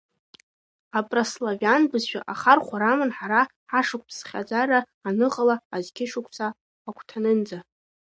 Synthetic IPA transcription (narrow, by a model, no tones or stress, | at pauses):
apʼraslavanbɨzʃᶣa̰ʔaχarχʷaɾamanħaɾa | aʂʊk̚ʷʰʼpʰsχʲa̰d͡zaraː | nɨqʼalaːzkʲʰɪʂʊkʷʰʼsaː | kʷʰtʰanɨnd͡za